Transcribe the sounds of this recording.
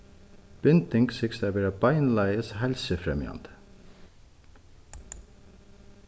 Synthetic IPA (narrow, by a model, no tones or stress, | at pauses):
b̥ʏnt̪ɪŋɡsɪkst̪ɑːbeːɾɑbɑɪnlæɪəshɛlsəfɾɛ̰mjɑ̰nd̪̥ə̥